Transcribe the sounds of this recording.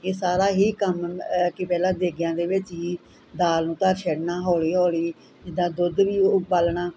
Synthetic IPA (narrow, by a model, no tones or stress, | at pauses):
eːsaːɾaːɦiːkəmkɪpɛːlãːd̪eːɡjãːd̪eːʋɪt͡ʃɦiː | d̪aːlnũːt̪əɾʃɛɽnaːɦoːliːɦoːliː | d͡ʒɪd̪ãːd̪ʊd̪ʋiːbalɳaː